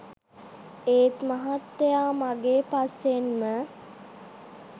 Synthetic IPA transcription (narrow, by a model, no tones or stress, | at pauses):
eːt̪maɦat̪ːejaːmaɡeːpasːenmə